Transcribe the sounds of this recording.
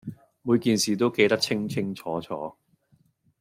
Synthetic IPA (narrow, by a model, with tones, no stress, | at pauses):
muː˨˧jkiː˨nsiː˨˩t̪o˥wke˧jt̪ɐ˥k̚t͡sʰɪ˥ŋt͡sʰɪ˥ŋt͡sʰɔː˨˥t͡sʰɔ̰ː˨˥